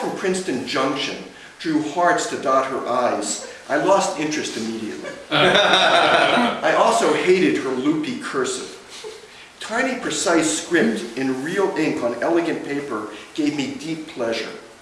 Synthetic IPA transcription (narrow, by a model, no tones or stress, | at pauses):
ə̃mpʰɹ̥ɪ̃nstɨ̃nd͡ʒʌ̃ŋkʃɨ̰̃n | d̥ɹuhɑɹtstʰɨdɑt̚hə̰˞ʔaɪz | ʔaɪlɔstɪ̃nt͡ʃɹ̥ɨstɨmiɾiɨ̰tˡlḭ | ʔaɪʔɔlˠsoʊheɪɾɨd̚hə˞lupikʰɜ˞sɨ̰t | tʰãɪ̃nipʰɹ̥ɨsaɪskɹɪ̃p̚tɨ̃nɹilˠɪ̃ŋkn̩ɛlˠəɡɨ̃npʰeɪpə˞ɡ̥eɪvmidipʰl̥ɛʒə̰˞